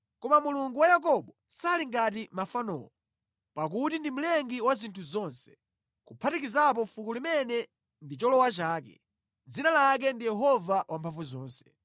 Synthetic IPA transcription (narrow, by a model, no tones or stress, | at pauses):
kɔmamuluŋɡuwajak̬ɔɓɔ | saliŋɡat̬imafanɔ̰ːlɔ | pakutindim̩lɛŋɡiwazintʰuzɔnsɛ̥ | kupʰatikizap̬ɔfukulimɛnɛ | ndit͡ʃɔlɔwat͡ʃaːkɛ̰ | d͡zinalak̬ɛndijɛɦɔvawampʰaɱvuzɔːnsɛ̥